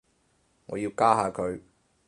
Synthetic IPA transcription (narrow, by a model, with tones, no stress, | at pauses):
ŋɔ̰˨ju˨kaː˥ɦaː˧kʰɵ˨ɥ